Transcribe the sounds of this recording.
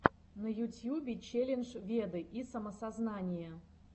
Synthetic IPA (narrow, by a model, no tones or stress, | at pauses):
nəjutʲjubʲɪt͡ɕelʲɪnʐvʲed̪ɨʔisɐməsaznanʲɪjə